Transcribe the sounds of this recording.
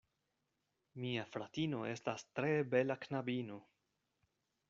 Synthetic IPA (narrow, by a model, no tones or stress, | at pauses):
miafɾatino̞e̞stastɾe̞be̞laknabino̞